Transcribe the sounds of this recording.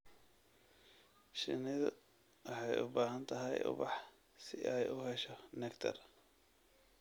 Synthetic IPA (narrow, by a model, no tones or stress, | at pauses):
ʃɪ̰nɪðɐ̰ | wɑħɑjʊ̰baːɦɐnt̪ʰɐɦɛ̰jʊ̰bɑħ | sɪʔɛjʊhɛʃɔnɛkt̪ʰɐ̰r